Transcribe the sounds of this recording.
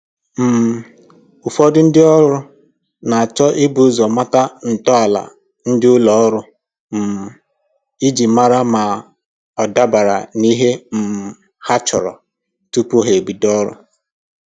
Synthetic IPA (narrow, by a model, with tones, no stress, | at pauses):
m̩˨m̩˨ | u˨fɔ˦dʊ˦n̩˦dɪ˦ɔ˦ɾʊ˦ | na˨a˨t͡ʃɔ˦ʔɪ˦bu˦zɔ˨ma˦ta˦n̩˨tɔ˦a˨la̰˨ | n̩˦dɪ˦ʊ˦lɔ˨ɔ˦ɾʊ˦ | m̩˨m˨ | i˦d͡ʒi˨ma˦ɾa˦ma˨ | ɔ˨da˦ba˨ɾa̰˨ni˦ɦe˦m̩˨ | ha˦t͡ʃɔ˨ɾɔ̰˨ | tu˦pu˦ɦe˨bi˨dɔ˦ɾʊ̰˦